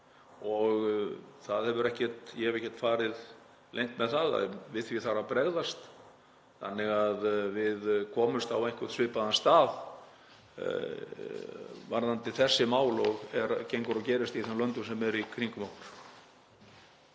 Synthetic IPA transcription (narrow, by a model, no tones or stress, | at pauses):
ɔɣθaðhɛvʏɾɛhcɛ̥t̪jɛhɛvɛhcːɛ̥t̪faːɾɪð | lejnt̪mɛðθaða̰ðvɪðθvɪθaɾapɾɛɣðast̪ | θanːɪɣaðvɪðkʰɔːmʏst̪awejŋ̥kʰvœ̥t̪svɪːpaðanst̪aːð | vaɾðant̪ɪθɛsːɪmaːwlɔɣɛɾcejŋkʏɾɔcɛːɾɪst̪iθɛnlœnt̪ʏsɛmɛɾikʰɾiŋkʏmaːwnɾ̥